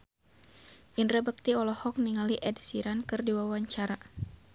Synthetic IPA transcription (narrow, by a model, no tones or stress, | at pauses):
ʔindrəbək̚t̪iɔlɔhɔk̚niŋaliʔɛdsiɾankɨrdiwawaɲt͡ʃaɾa